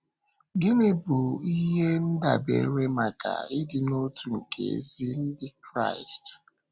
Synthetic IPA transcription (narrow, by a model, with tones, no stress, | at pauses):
ɡɪ˦ne˨bu˨i˦ɦe˦n̩˦da˨bḛ˨ɾe˦ma˨ka̰˨ɪ˦dɪ˨no˦tu˨ŋ̩˨kʰḛ˨zi˦n̩˦dɪ˦kɾa̰˦˨ɪ˨st